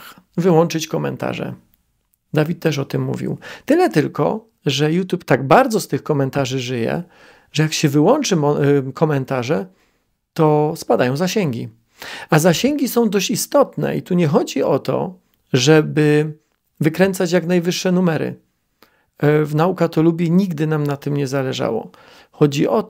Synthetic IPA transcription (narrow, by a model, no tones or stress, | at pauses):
vɘwɔnt͡ʂɘt͡ɕkɔmɛ̰nt̪a̰ʐɛ̰ | d̪avʲit̪̚ːɛʂɔt̪ɘmːṵvʲḭwt̪ɘlɛt̪ɘlkɔ̰ | ʐɛjut̪ʲjupt̪aɡbaɾd̪zɔst̪ɘxkɔmɛnt̪aʐɘʐɘjɛ̰ | ʐɛjakɕɛvɘwɔnt͡ʂɘmɔkʰɔmɛnt̪aʐɛ | t̪ɔspad̪ajɔ̃w̃zaɕɛŋɡʲḭ | azaɕɛŋɡʲisɔ̃w̃d̪ɔɕt͡ɕist̪ɔt̪nɛ̰ḭt̪uɲɛxɔd͡ʑiɔt̪ɔ̰ | ʐɛbɘ | vɘkɾɛnt̪sat͡ɕjaknajvɘʂːɛnumɛɾɘ̰ | vnaukat̪ɔlubʲjiɲiɡd̪ɘnamnat̪ɘmɲɛzalɛʐa̰wɔ̰ | xɔd͡ʑḭʔɔ